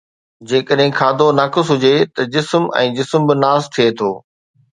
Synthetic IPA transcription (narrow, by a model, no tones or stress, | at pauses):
d͡ʑeːkəɗɦɪ̃kʰaːd̪ʱonaːkɪsɦʊd͡ʑet̪ɐd͡ʑɪsmɛ̰̃ːd͡ʑɪsmbɪnaːst̪ʰiet̪ʰoː